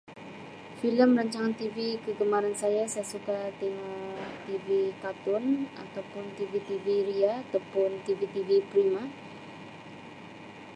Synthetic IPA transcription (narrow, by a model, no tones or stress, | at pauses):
filəmɾaɲt͡ʃaŋant̪ivikəɡəmaɾansajasajasukat̪eŋat̪ivikat̪ʊna̰t̪awpʊnt̪ivit̪iviɾiaːt̪awpʊnt̪ivit̪ivipɾima